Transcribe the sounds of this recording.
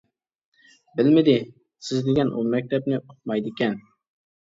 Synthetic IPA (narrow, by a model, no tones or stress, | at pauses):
bɪlmɪd̪ɪ | sɪzd̪ɪɡʲɛnʔṵmɛk̚ʲt̪ʰɛp̚nɪʊq̚mɑjd̪ɪkʲɛn